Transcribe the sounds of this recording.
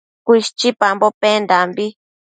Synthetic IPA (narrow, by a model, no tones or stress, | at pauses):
kʷiʃt͡ʃipambopend̪ambi